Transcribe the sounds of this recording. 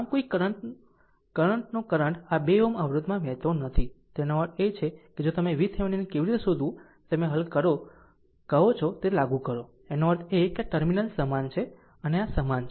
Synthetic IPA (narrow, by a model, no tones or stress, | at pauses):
amkoikɾə | kəɾəɳʈnokəɾəɳʈabeoməʋɾud̪mãʋɛ̃t̪onət̪ʰit̪enoʋəɾt̪ʰet͡ʃʰeked͡ʒot̪əmeʋit̪ʰeʋninekeʋiɾit̪esod̪ʱũ | t̪əmeɦəlkːəɾo | kəɦot͡ʃʰot̪elaɡũkəɾo | enoʋəɾt̪ʰekeaʈəɾminəlsəmant͡ʃʰe | əneasəmant͡ʃʰe